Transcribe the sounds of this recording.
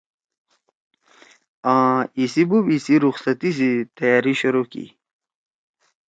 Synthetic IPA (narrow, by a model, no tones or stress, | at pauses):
ãːisibubisiɾuxsɐt̪isit̪ɐjaːɾiɕuɾokḭ